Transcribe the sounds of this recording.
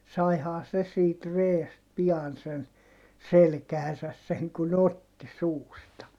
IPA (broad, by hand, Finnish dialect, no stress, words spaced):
sɑihɑː se siːt reːst piɑn sen selkæhæsæs seŋ kun otːi suːstɑ